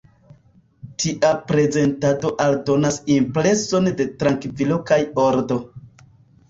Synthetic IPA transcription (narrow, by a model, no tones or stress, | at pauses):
tʰiʔapɾe̞ze̞ntado̞ʔaldo̞nasimpɾe̞so̞nde̞tɾaŋkvilo̞kajoɾdo̞